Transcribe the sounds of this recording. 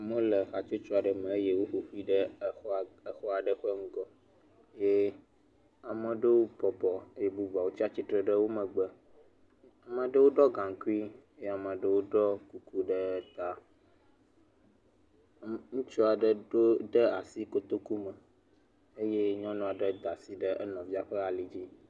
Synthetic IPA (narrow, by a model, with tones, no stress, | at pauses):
mə̃˦lə˨xa˨t͡ʃo˦t͡ʃɔ˦a˨ɖə˨mə̃˨e˦je˦wo˦ɸo˨ɸu˦i˦ɖə˦˨˦ə˨xɔ˦a˨ɖə˦˨xŋũ˦ɡɔ˦ | je˦ | a˨mə̃˨ɖə˦wo˦bɔ˨bɔ˨e˦je˦bu˦va˨wo˦t͡ɕi˦a˦t͡ɕi˦t̪ɾə˦˨ɖə˦wo˦mə̃˨ɡ͡bə˨ | a˨mə̃˨ɖə˦wo˦ɖɔ˦ɡã˨ŋ˨ku˦i˦e˦je˦a˨mə̃˨ɖə˦wo˦ɖɔ˦ku˦ku˦ɖə˦t̪a˨ | ŋũ˦t͡ʃɔ˦a˨ɖə˨ɖo˦ɖə˦a˨si˦ko˦t̪o˦ku˦mə˨ | e˦je˦ɲɔ̃˦nũ˨a˨ɖə˦d̪a˨si˨ɖə˦ʔɛ˦nɔ̃˨vi˦a˦ɸɛ˦a˨li˨d͡ʑi˦